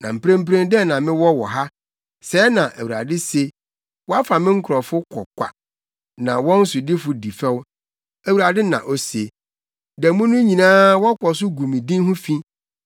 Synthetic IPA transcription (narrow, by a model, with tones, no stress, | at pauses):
nã̰˨m̩˨pɾẽ˦m̩˦pɾẽ˦n˦dɛ˦˨nã˨mɪ̃˦wɔ˦wɔ˨ɦa˦ | sɛ˨˦nã˨ʔæ˨wu˨a̰˨dɪ˦se˨ | wɔ˦a˦fa˨mɪ̃˦ŋ̩˦kʰʊ˨ɾɔ˨fʊ˦kʰɔ̰˨kʷa̰˨ | nã˨wɔ̃˦n̩˦sʊ˨dɪ˦fʊ˨di˨fɛ˦w | æ˨wu˨ɾa˨dɪ˦nã̰˨ʔɔ˦se˨ | dɛ˨mũ˦nʊ̃˦ɲĩ˨nãː˦wɔ˦kʰʷɔ˨s̬ʊ˦ɡu˨mĩ˨dĩ˦n˦hʊ̃˦fĩ˦